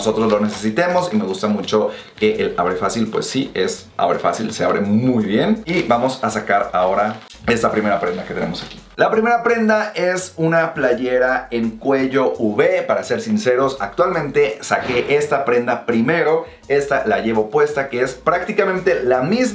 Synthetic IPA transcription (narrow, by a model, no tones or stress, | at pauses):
oso̞t̪ɾo̞zlo̞ne̞se̞sit̪emo̞sime̞ɣ̞ust̪amut͡ʃo̞ | ke̞ʔelaβɾe̞fasilpwe̞̰sːie̞s | a̰βɾe̞̰fa̰silsea̰βɾe̞mujβje̞nibamo̞sasakaɾao̞ɾa | e̞st̪apɾime̞ɾapɾe̞nd̪ake̞t̪e̞ne̞̰mo̞saki̥lapɾime̞ɾapɾẽ̞nd̪aesunaplaʝe̞ɾae̞ŋkwe̞ʝo̞uβe̞paɾase̞ɾsinse̞ɾo̞sak̚t̪walmẽnt̪e̞sake̞ʔest̪apɾe̞nd̪apɾime̞ɾo̞ | e̞st̪alaʝe̞βopwe̞st̪ake̞espɾak̚t̪ikamẽnt̪e̞lamiz